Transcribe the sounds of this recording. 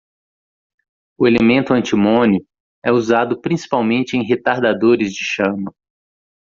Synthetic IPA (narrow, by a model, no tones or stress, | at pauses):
ʊelemẽnt̪ʊɐ̃nt͡ʃimõnʊ | ɛuzad̪ʊpɾĩsi̥pawmẽnt͡ʃɪẽj̃ɦet̪aɾd̪ad̪oɾɪzd͡ʒɪʃɐ̃mɐ